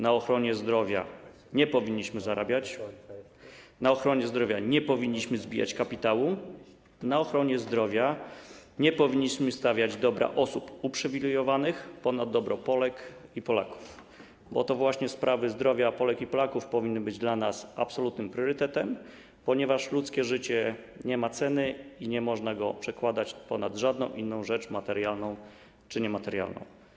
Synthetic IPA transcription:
naɔxɾɔɲɛzd̪ɾɔvʲja̰ | ɲɛpɔvʲiɲːiɕmɘzaɾʔabʲjat͡ɕ | naɔxɾɔɲɛzd̪ɾɔvʲjaɲɛpɔvʲiɲːiɕmɘzbʲija̰t͡ɕkapʲit̪awu | naɔxɾɔɲɛzd̪ɾɔvʲja | ɲɛpɔvʲiɲːiɕmɘst̪avʲjad͡ʑd̪ɔbɾʔa̰ʔɔsupupʂɛvʲilɛjɔvanɘxpɔnad̪d̪ːɔbɾɔpɔlɛkipɔla̰ku̥f | bɔ̰t̪ɔvwaɕɲɛspɾʔavɘzd̪ɾɔvʲjapɔlɛkipɔlakufpɔvʲinːɘbɘd͡ʑd̪lanasapsɔlut̪nɘmpɾʲjɔɾɘt̪ɛt̪ɛm | pɔɲɛvaʂlut̪skʲɛʐɘt͡ɕɛ | ɲɛmat̪sɛnɘiɲɛmɔʐnaɡɔpʂɛkwad̪at͡ɕpɔnad̪ʐad̪̚nɔ̃w̃ʔinːɔ̃w̃ʐɛt͡ʂmat̪ɛɾjalnɔ̃w̃ | t͡ʂɘɲɛmat̪ɛɾja̰lnɔ̰̃w̃

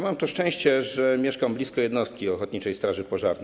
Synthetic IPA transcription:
mamt̪ɔʂt͡ʂɛ̃w̃ɕt͡ɕɛʐɛmʲjɛʂkamblʲiskɔjɛd̪nɔst̪kʲiɔxɔt̪ɲit͡ʂɛjst̪ɾaʐɘpɔʐa̰ɾn

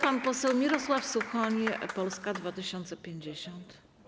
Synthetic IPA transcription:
panpɔsɛwmʲiɾɔswafsuxɔɲipɔlskad̪vat̪ɘɕɔnt̪sɛpʲjeɲd͡ʑeɕɔnt̪

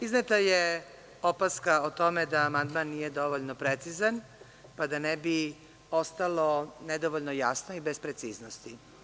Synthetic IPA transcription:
iznet̪aje | opaskaot̪o̞med̪aːmand̪manːijed̪o̞ʋoʎnopɾet̪sizan | pad̪anebi | o̞st̪alo̞ned̪oʋoʎnojasnoibespɾet̪siːznost̪i

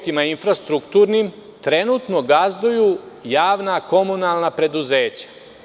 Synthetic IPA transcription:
t̪imainfɾast̪ɾukt̪uːɾnim | t̪ɾe̞nuːt̪no̞ɡazd̪ujuːjaːʋnako̞munalˠnapɾe̞d̪uze̞ːt͡ɕḁ

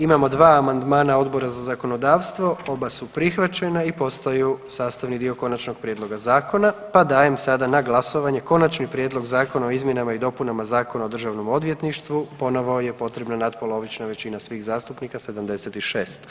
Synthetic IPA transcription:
imamo̞d̪ʋaːmand̪maːnao̞d̪bo̞ɾazazako̞no̞d̪aːʋst̪ʋo̞o̞basupɾixʋat͡ʃe̞naipo̞st̪ajusaːst̪aʋnid̪io̞ko̞nat͡ʃno̞ɡ̥̚pɾjed̪lˠo̞ɡazaːko̞napad̪aːje̞msad̪anaɡlˠaso̞ʋaɲe̞ko̞nat͡ʃnipɾʲjed̪lˠo̞ɡzaːko̞naoizmje̞namaid̪o̞punamazaːko̞naod̪r̩ʒaʋno̞mo̞d̪ʋje̞t̪niʃt̪ʋupo̞no̞ʋoje̞po̞t̪ɾebnanat̪̚po̞lˠoʋit͡ʃnaʋe̞t͡ɕinasʋiɣzaːst̪upnikase̞d̪amd̪e̞set̪iʃeːst̪

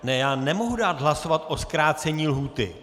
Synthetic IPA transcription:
nɛjaːnɛmo̞ɦudaːd̪ɦlaso̞vat̪ʔo̞skɾaːt͡sɛɲiːlɦuːt̪ɪ̰

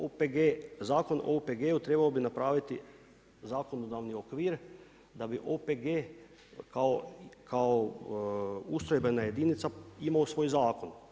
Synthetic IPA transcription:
opeɡezaːko̞no̰opeɡeːut̪ɾe̞baobinapɾaːʋit̪i | zaːko̞nod̪aʋniokʋiːɾ | d̪abiʔopeɡeː | kaokao | ust̪ɾojbenaje̞d̪init̪saimaosʋo̞ːjzaːko̞n

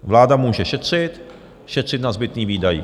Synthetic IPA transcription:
vlaːdamuːʒɛʃɛt̪r̝̥ɪt̪ | ʃɛt̪r̝̥ɪt̪nazbɪt̪niːviːdajḭ

